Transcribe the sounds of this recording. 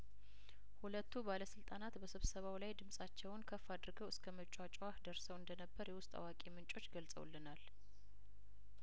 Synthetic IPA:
hulət̪ʰːubaləsɨlt̪ʼanat̪bəsɨβsəβawlajd̪ɨmsʼat͡ʃːɛwnkʰəfːad̪ɾɡəwɨskʰəmət͡ʃʼat͡ʃʼwahd̪əɾsəwɨnd̪ənəbːəɾjɛwʊst̪ʼa̰wakʼemɨnt͡ʃʼo̞t͡ʃːɡəlsʼə̰w̰lːɨnal

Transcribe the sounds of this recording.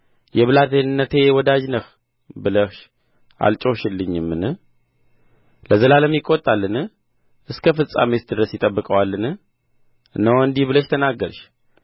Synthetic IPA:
jɛβɨlat̪enɨnːət̪ʰe̞wɔd̪ad͡ʒnəx | bɨləxʃ | a̰lt͡ʃʼoʃɨlːɨɲːɨmːɨnɨ | ləzəlaləmjiɪkʼːot̪ʼalːɨnɨ | ʔɨskʰəfɨsʼa̰met̪d̪ɨɾəsjɪt̪ʼəbːɨkʼəwalːɨnɨ | ʔɨnːəwɨnd̪ihbɨləʃt̪ʰənaɡəɾʃ

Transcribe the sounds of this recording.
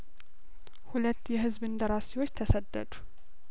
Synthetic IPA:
hulət̪ːjɛɦɨzβɨnd̪əɾasiwo̞t͡ʃːt̪ʰəsəd̪ːə̰d̪u̥

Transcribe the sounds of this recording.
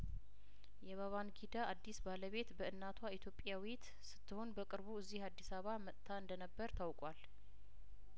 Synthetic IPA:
jɛβaβanɡid̪aad̪ːisbaləβe̞t̪bəɨnːat̪ʰwait̪ʰjo̞pʼjawit̪ | sɨ̥t̪ʰːɨho̞nbəkʼɨɾβuɨzːihad̪ːisaβamət̪ʰːaɨnd̪ənəbːəɾt̪ʰawkʼwal

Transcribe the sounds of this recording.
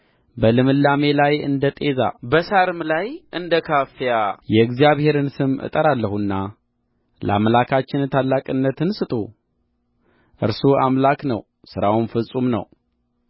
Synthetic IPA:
bəlɨmɨlːame̞lajɨ̰nd̪ət̪ʼe̞za̰bəsaɾɨmlajʔɨnd̪əkʰafjajɛɨɡzijaβhe̞ɾɨnsɨmʔɨ̰t̪ʼəɾalːəhunːa | ləa̰mlakʰat͡ʃːɪnt̪ʰalːakʼɨnːət̪ɨnsɨt̪ʼṵ | ʔɨɾsuamlaknə̰w | sɨɾawunfɨsʼumnə̰w

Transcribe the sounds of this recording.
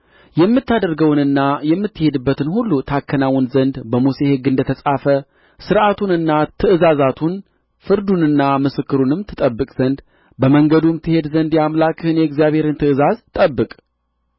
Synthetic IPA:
jɛmːɨt̪ːad̪əɾɡəwnɨnːajɛmːɨt̪ːɨhe̞d̪ɨbːət̪ɨnhulːut̪ʰakʰːənawɨnzənd̪bəmuse̞hɨɡːɨnd̪ət̪ʰəsʼafə | sɨɾʔat̪ʰunɨnːat̪ʰɨʔɨzazat̪ʰun | fɨɾd̪unɨnːamɨsɨkːɨɾunɨmt̪ʰɨt̪ʼəbːɨkʼz̥ənd̪ | bəməŋɡəd̪umt̪ʰːɨhe̞d̪zənd̪jamlakʰʼhɨnjɛɡzijaβhe̞ɾɨnt̪ʰɨʔɨzazt̪ʼəbːɨkʼ

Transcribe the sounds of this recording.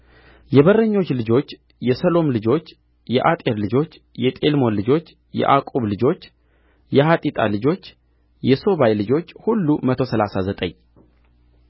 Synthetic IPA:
jɛβərːəɲːo̞t͡ʃːlɨd͡ʒo̞t͡ʃː | jɛsəlo̞mlɨd͡ʒo̞t͡ʃː | jɛʔat̪ʼeɾlɨd͡ʒo̞t͡ʃː | jɛt̪ʼe̞lmo̞nlɨd͡ʒo̞t͡ʃː | jɛ̰ʔakʼuβlɨd͡ʒo̞t͡ʃː | jɛhat̪ʼit̪ʼa̰lɨd͡ʒo̞t͡ʃː | jɛso̞βajlɨd͡ʒo̞t͡ʃːhulːumət̪ʰo̞səlasazət̪ʼə̰ɲː

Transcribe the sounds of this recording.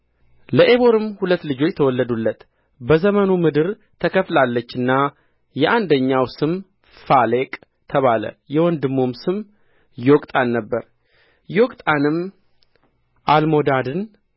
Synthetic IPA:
ləʔeβo̞ɾɨmhulət̪ːlɨd͡ʒo̞t͡ʃːt̪ʰəwɔlːəd̪ulːət̪ | bəzəmənumɨd̪ɨɾ | t̪ʰəkʰəflalːət͡ʃːɨnːa | jɛʔand̪əɲːawsɨm | fale̞kʼ | t̪ʰəβalə̰jɛwɔnd̪ɨmːo̞msɨm | jokʼt̪ʼanːəbːəɾ | jokʼt̪ʼanɨm | ʔalmo̞d̪ad̪ɨn

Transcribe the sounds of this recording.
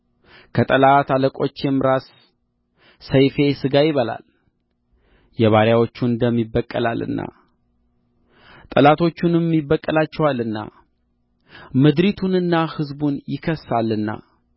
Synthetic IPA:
kʰət̪ʼəlat̪aləkʼo̞t͡ʃːɛmɾas | əjfe̞sɨɡajɪβəla̰l | jɛβaɾjawo̞t͡ʃːunnd̪əmːibːəkʼːəlalɨ̰nːa̰ | t̪ʼəlat̪ʰo̞t͡ʃːunɨmːibːəkʼːəlat͡ʃːɛwalɨnːa̰ | mɨd̪ɾit̪ʰunɨnːahɨzbunjɪkʰəsːalːɨnːa̰

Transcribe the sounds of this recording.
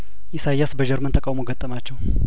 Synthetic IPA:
ʔɪsajːasbəd͡ʒɛɾmənt̪ʰəkʼawmoɡət̪ʼːəmat͡ʃːɛw

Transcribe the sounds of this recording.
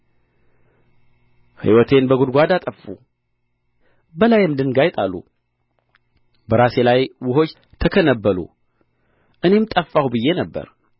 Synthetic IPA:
hḭwɔt̪ʰe̞nbəɡud̪ɡʷad̪at̪ʼəfːṵ | bəlajmd̪ɨnɡajt̪ʼalːṵ | bəɾase̞lajwʊɦo̞t͡ʃː | t̪ʰəkʰənəbːəlṵ | ʔɨne̞mt̪ʼəfːawubɨjːe̞nəbːə̰ɾ

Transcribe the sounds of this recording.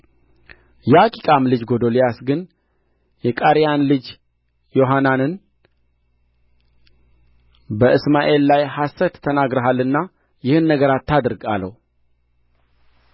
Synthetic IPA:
jɛakʼikʼamlɨd͡ʒɡo̞d̪olijasɡɨn | jɛkʼaɾijanlɨd͡ʒ | jo̞ɦananɨn | bəʔɨsmaʔe̞lːajhasːət̪ʰːənaɡɾəɦalɨnːa | jɪhɨnːəɡəɾat̪ʰːad̪ɨɾɡa̰lːə̰wu

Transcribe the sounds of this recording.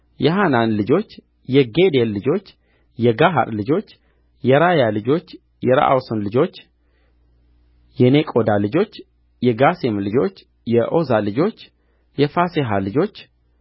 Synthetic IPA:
jɛɦananlɨd͡ʒo̞t͡ʃː | jɛɡed̪elːɨd͡ʒo̞t͡ʃː | jɛɡaɦa̰ɾlɨd͡ʒo̞t͡ʃː | jɛɾajalɨd͡ʒo̞t͡ʃː | jɛɾa̰ʔa̰wsunlɨd͡ʒo̞t͡ʃː | jɛnekʼo̞d̪alɨd͡ʒo̞t͡ʃː | jɛɡasemlɨd͡ʒo̞t͡ʃː | jɛʔozalɨd͡ʒo̞t͡ʃː | jɛfaseɦalɨd͡ʒo̞t͡ʃː

